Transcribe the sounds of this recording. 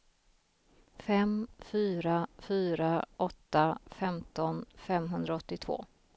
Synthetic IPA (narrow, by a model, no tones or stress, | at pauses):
fɛmfyːɾafyːɾaʔɔt̪ːafɛmt̪ɔnfɛmɦɵnd̪ɾaɔt̪ːɪt̪ʰv̥o̰ː